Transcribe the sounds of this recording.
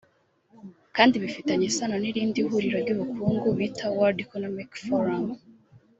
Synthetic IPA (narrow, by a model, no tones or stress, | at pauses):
kaːndiβifitaɲesanoniɾiːndihuɾiɾoɾɟuβukuːŋɡuβitʰawaɾdikonomikfoɾam